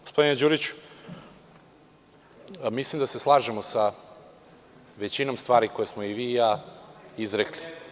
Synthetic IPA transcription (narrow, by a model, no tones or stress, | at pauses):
ɡospo̞d̪ined͡ʒuːɾit͡ɕu̥ | mislˠimd̪ase̞slˠaːʒemo̞sa | ʋe̞t͡ɕino̞mst̪ʋaːɾiko̞jesmoiʋiːjaːizɾekli